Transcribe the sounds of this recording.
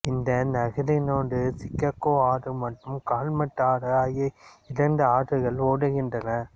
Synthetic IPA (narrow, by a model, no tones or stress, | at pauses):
ɪnd̪ɐnɐɣɪɾɪnoːɳɖɯsɪkːɐkːoːaːɾɯmɐʈːɯmkaːlmɐʈːaːɾɯaːjɐɪɾɐnd̪ɯaːʈːɯɣɐɭoːɽɯɣɪndrɐnɐ